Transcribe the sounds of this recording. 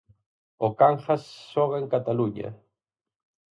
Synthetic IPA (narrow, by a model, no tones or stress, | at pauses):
okaŋχasːoɣeŋkat̪aluɲa̰